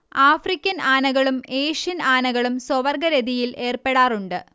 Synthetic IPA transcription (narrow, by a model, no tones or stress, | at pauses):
aːfrikʲːɐnaːnɐɣɐɭume̞ːʂijɐnaːnɐɣɐɭumswoʋɐrɡɐɾeðijilʔe̞ːrpe̞ɽaːruɳɖɨ